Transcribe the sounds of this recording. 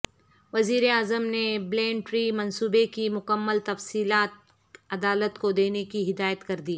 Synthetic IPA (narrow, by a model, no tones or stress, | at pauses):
ʋɐziːɾeaːzəmneblẽːɳʈɾiːmɐ̃nsuːbekimʊkəmːəlt̪ɐfsiːlaːt̪̚ | ɐd̪aːlət̪kod̪eːnekiɦɪd̪aːjət̪kɐɾd̪iː